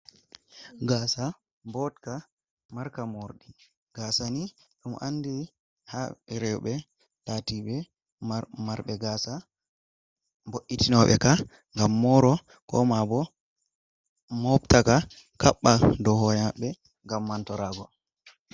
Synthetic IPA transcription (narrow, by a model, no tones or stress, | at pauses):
ɡaːsa | bɔtka | maɾkamoɾɗi | ɡ̥asaniɗɔmɔ̰ʔanːdi | haɾɛubɛ | tatiɓɛ | maɾɓɛɡaːsa | boʔːitinɔɓɛ̰ka | ŋɡamːɔɾɔ | kɔ̰mabɔ | mɔptaka | kaɓːadɔhɔjaɓɛ | ŋɡamːantɔɾaːɡɔ